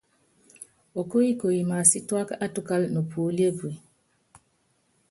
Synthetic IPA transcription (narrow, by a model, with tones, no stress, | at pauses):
o˨ko˦ji˦ko˨ji˨ma˨si˦twa˦ka˦ʔa˦tu˦ka˦lno˨pʰu˨˦li˦e˦bu˨e˨